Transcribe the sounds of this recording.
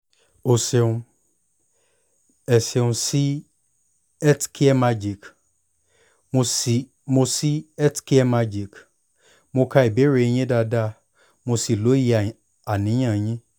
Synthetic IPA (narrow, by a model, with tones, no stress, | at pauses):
o˧se˧ũ˧ | ɛ˨se˨˧ũ˧si˦ | ɛ˦tkʰi˦ɛ˦ma˧d͡ʒi˨k | o˧˨ | mo˧si˦ɛ˦tki˦ɛ˦ma˧d͡ʒi˨k | mo˧ka˧˦i˨be˨˦ɾe˧j̃ĩ˦da˧da˦ | mo˧si˨lo˨˦ji˧˨ | a˨nĩ˨˦j̃ã˦˨j̃ĩ˦